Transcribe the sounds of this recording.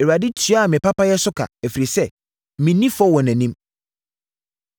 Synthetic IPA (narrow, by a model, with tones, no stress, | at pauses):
e˨ɾa˨di˦tʰɥa˦a˨mɪ̃˨pʰa˦pa˦jɛ˦sʊ˦kʰa̰˨æ˨fi˨ɾi˨sɛ˦˨ | mɪ̃˨˦nĩ˦fɔ˦wɔ̃˨nɛ̃˨nĩ˦m